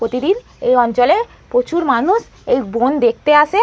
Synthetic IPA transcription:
ɾot̪id̪in | ejɔnt͡ɕole | pɾot͡ɕuɾmanuʃ | ejbond̪ek̚ʰt̪eaʃe

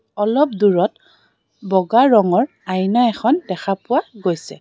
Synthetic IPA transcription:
ɔlɔp̚duɹɔt | bɔɡaɹɔŋɔɹ | ajnaɛxʰɔndɛxʰapʊwaɡojsɛ̰

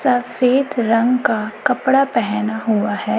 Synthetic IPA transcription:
sɐfeːt̪ɾɐ̃ŋɡkakɐpɽapɛɦnaɦʊaɦɛː

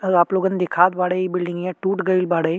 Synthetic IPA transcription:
əɡaploɡənd̪ekʰat̪ʋaɽəjbilɖiŋɡjaʈuːʈɡəiːlbaɽəj

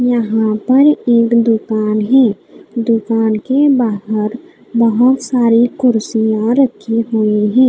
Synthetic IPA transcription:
jəɦãpɐɾeːkd̪ʊkaːnɦɛː | d̪ʊkaːnkebaːɦəɾ | bəɦʊt̪saːɾikʊɾsijãɾəkʰiɦuiɦɛ̃ː

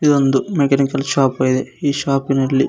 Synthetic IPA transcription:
id̪ond̪umekɐnikɐlʃaːpɐjid̪eiːʃaːpinɐlːi

